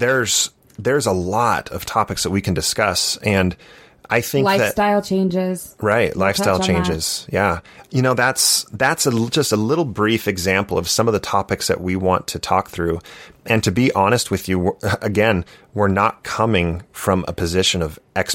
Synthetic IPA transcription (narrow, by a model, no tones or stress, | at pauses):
ðə˞z̥ | ðə˞zəlɔɾʌv̥tʰɑpɨksðɨt̚wikʰn̩dɨskʌsɨ̃n | ʔaɪθɪ̃ŋ̚ɪðɨt̚taɪlˠt͡ʃʰẽɪ̃nd͡ʒɪz̥ɹaɪtlaɪfstaɪlˠt͡ʃʰẽɪ̃nd͡ʒɪz̥jæjɨñoʊðætsðætsə̥d͡ʒʌstəlɪɾl̩ˠbɹifɨɡzæ̃mpl̩ˠʌ̰v̥sʌ̃mʌvðətʰɑpɨksðɨ̰ʔ̚wiwɑ̃ntʰɨtʰɔ̰k̚θɹʉʔɨ̃ntʰɨbiʔɑɾ̃ɨst̚wɨðjɨʔɨɡɛ̃nwɪɹnət̚kʰʌmɪ̃ŋfɹʌ̃mʔə̰pʰɨzɪʃɨ̃nʌvʔɛks